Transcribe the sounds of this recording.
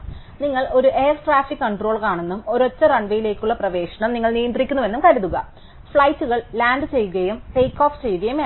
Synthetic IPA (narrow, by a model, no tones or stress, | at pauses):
niŋːɐɭo̞ɾuʔe̞ːrsʈraːfikːkɐɳɖro̞ːɭkaːɳenːumo̞ɾot͡ɕːɐrɐɳɖɐjile̞ːkʲːuɭːɐprɐʋe̞ːɕɐɳɐmniŋːɐɭnijɐnd̪rikʲːunːuʋe̞nːumkɐɾuðuɣɐ | fɭɐjtːuɣɐɭlaːnɖɨt͡ɕe̞jːuɣɐjumtejkːo̞ːft͡ɕe̞juɣɐjum